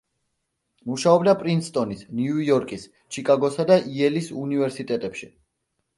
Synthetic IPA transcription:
muʃaɔbliapʼɾinst̪ʼɔnisnjujɔɾkʼis | t͡ʃʰikʼaɡɔsad̪aʔiɛlisunivɛɾsit̪ʼɛt̪ʼɛpʃi

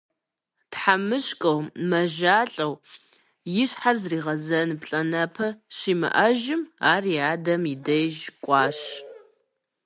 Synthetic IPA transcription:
tħamɨɕkʼɐwmɐʒaːɬʼɐw | jɪɕħarzriːʁɐzɐnɨpɬʼɐnɐpʰɐɕiːmɨ̰ʔɐʒɪmaːriaːdɐmidɐjʒkʷʼɑːɕ

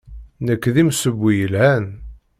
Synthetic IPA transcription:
nəkːðimsəbːijəlhæn

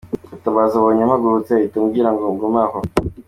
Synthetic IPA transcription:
utaβazaβoɲamhaɡuɾut͡seitumɡiɾaŋɡoːŋɡomaho

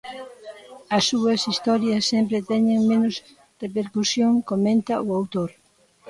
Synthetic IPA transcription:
ɐsːuɐsist̪ɔɾjɐsːempɾet̪ɛɲeŋmẽnʊs | repeɾkusjoŋkomẽnt̪ɐʊawt̪oɾ

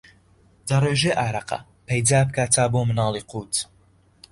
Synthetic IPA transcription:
d̪ɐreːʒeːʔaːɾɐqɐ̰ | pʰejd͡zaːp̚kaːt͡s̪ʰaːboːmɨnɑːlˠiːqʰuːt̪ʰ

